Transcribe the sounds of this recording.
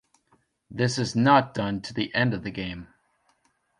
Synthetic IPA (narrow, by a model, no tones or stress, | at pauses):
ðɪsɨznət̚d̥ʌ̃ntʰɨðiʔɛ̃ndʌvðɨɡẽɪ̃m